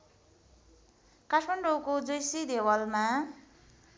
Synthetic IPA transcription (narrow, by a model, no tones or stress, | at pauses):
kasʰmaɳɖokod͡zʌjsid̪ewʌlma